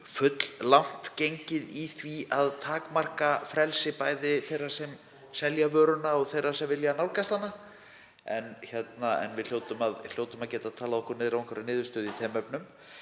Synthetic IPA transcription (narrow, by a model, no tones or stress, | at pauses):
fʏt̪l̥lan̥t̪cejɲcɪðiθviaðt̪ʰaːkmar̥kafɾɛlsɪpaːjðɪθejrːḁsɛm | sɛljavœːɾʏnaɔɣθejrasɛmvɪljanawlkast̪hanːa | ɛnçɛt̪naɛ̰nvɪðl̥joːwt̪ʏmaðl̥joːwt̪ʏmaðcɛːt̪aðt̪ʰaːlaðɔhkʏɾnɪðɾavɔ̃ŋkʰvɛɾanɪːðʏɾ̥st̪œːðɪiθʰɛːmœpnʏm